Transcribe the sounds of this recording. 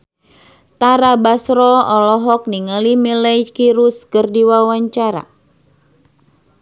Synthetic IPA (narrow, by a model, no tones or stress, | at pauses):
t̪aɾabasɾɔɔlɔɦɔk̚niŋalimilɛjkiɾuskərdiwawaɲt͡ʃaɾa̰